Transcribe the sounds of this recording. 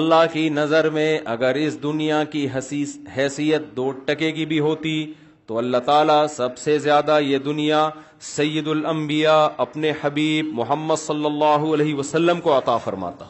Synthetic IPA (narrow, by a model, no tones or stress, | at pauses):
ɐlːaɦkinɐzəɾmẽʔɐɡəɾɪsd̪ʊnijakiɦɦɛːsijət̪̚d̪oːʈːɐkekibʱiɦoːt̪i | t̪oɐlːaɦt̪aːlasɐbsezjaːd̪ajed̪ʊnija | sɐjːɪd̪ʊlɐ̃mbɪjaɐpneħɐbiːb̚mʊɦəmːəd̪sɐlːɐlːaːɦuɐleːɦiʋɐsɐlːəmkoɐt̪aːfɐɾma̰ːt̪a̰ː